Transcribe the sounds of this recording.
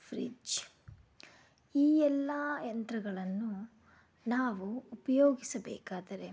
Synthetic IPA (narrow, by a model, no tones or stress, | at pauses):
fɾḭd͡ʒ | iːɛlːɐjɐnt̪ɾɐɡɐɭɐnːu | naːʋuːpɐjoːɡisɐbɛ̰ːkaːd̪ɐɾe̞